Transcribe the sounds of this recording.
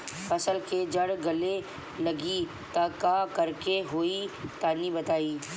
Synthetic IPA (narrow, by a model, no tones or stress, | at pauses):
fʰɐsəlked͡ʒɐɽɡɐle | lɐɡi | t̪ɐkakɐɾkeɦoːit̪aːnibɐt̪aːiː